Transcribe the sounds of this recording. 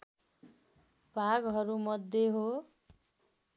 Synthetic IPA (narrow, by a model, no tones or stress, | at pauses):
bʱaɡɦʌɾumʌd̪ʱːeɦo